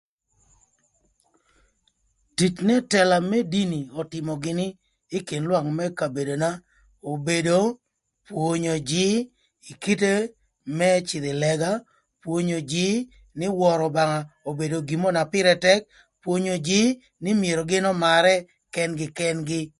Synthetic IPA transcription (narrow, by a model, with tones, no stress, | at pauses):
ti˨t͡ʃnɛ˦tɛ˨la˨mɛ˦di˦ni˨ɔ˨tɪ˨mɔ˨ɡɪ˨nɪː˦ | ki˨nlwa˦ŋmɛ˦ka˨be˨do˨na˦ | o˨be˨do˨ | pwo˨ɲo˨d͡ʒɪ˦ | i˨ki˦te˦ | mɛ˦t͡ʃɪ˨d̪ɪ˨lɛ˨ɡa˦ | pwo˦ɲo˨d͡ʒɪ˦ | nɪ˦wɔ˨ɾɔ˨ba˨ŋa˨o˨be˨do˨ɡi˨mo˦na˨pɪ˦ɾɛ˦tɛ˦k̚ | pwo˦ɲo˨d͡ʒɪ˦ | nɪ˦mije˨ɾɔ˨ɡɪ˦nɔ˦ma˨ɾɛ˦ | kɛ˦nɡɪ˨kɛ˦nɡɪ˦